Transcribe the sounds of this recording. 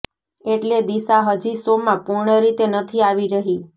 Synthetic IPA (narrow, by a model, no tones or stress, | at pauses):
eʈled̪isaɦəd͡ʒisomãpʊɾɳəɾit̪enət̪ʰiaʋiɾəɦi